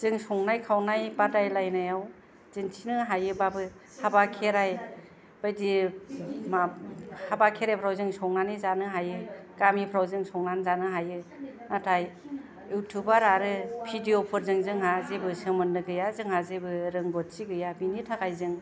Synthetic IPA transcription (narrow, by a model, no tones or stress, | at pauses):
z̥ɯŋsɔŋnajkʰawnajbatajlajnajaw | z̥ɯŋtʰinɯɦajɯbabɯ | habakʰeɾaj | b̥ajdi | mahabakʰeɾajpʰɾawzɯŋsɔŋnanizanɯɦajɯkamipʰɾawzɯŋsɔŋnanzanɯɦajɯnatʰaj | jutʰubaɾaɾɯpʰidiopʰɯɾzɯŋzɯŋɦazebɯsɯmɯnːɯɡɯjazɯŋɦazebɯɾɯŋɡɔt̚siɡɯjabinitʰaɡajzɯŋ